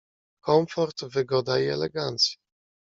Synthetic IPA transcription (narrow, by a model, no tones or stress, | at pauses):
kɔmfɔɾt̪vɘɡɔd̪aiɛ̰lɛ̰ɡant̪sʲji